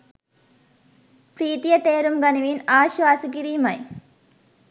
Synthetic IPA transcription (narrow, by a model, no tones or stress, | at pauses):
pɾiːt̪ijɐt̪eːɾumɡɐniʋiːnaːʃʋaːsik̬iɾimɐj